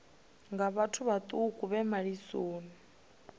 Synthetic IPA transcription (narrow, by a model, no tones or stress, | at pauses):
ŋɡaβatʰuβat̪ʼukʼuβɛmaɺisoːni